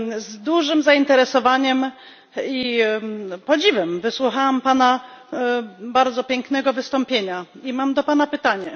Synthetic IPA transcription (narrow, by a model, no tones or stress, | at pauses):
zd̪uʐɘmzaint̪ɛɾɛsɔvaɲɛm | i | pɔd͡ʑivɛmvɘswuxawampana | baɾd̪zɔpʲjɛŋknɛɡɔvɘst̪ɔmpʲjeɲa | imamd̪ɔpanapɘt̪aɲɛ